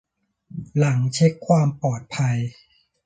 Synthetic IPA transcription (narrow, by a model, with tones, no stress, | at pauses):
la˩˦ŋt͡ɕʰe˦˥kʰːwaː˧mpɔː˨˩t̪̚pʰa˧j